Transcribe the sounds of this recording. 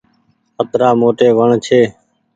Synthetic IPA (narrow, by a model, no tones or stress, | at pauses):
ət̪ɾaːmoːʈeːʋəɳt͡ʃʰeː